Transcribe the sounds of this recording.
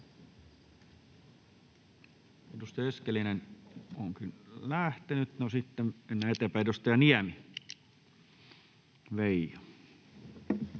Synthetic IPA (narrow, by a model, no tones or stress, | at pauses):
edust̪ɑeskelinenoŋkinlæht̪enyt̪nosit̪ːenenːeet̪empæidust̪ɑjɑniæmi | ʋeijɑ